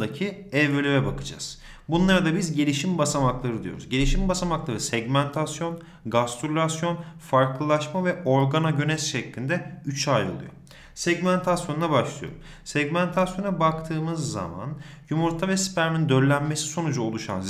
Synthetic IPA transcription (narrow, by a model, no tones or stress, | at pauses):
d̪acʰi | ɛvɾelʲevɛbakʰɯd͡ʒa̰z̥ | bunlˠaɾad̪abizɟelʲiʃimbasamaklˠaɾɯd̪ijoɾṵzɟe̞lʲiʃimbasamaklˠaɾɯsɛɟmænt̪ʰasjo̞n | ɡast̪ʰuɾlʲasjo̞nfaɾklˠɯlˠaʃmavɛʔo̞ɾɡanaɟø̞nɛsʃɛclʲind̪ɛyt͡ʃʰajo̰lˠṵjo̰ | sɛɟmænt̪ʰasjo̞nnabaʃlˠɯjo̰ɾum | sɛɟmænt̪ʰasjo̞nabakt̪ʰɯːmɯzːa̰ma̰njumuɾt̪ʰavɛspæɾmind̪øllʲænme̞si̥so̞nud͡ʒao̞lˠuʃa̰nz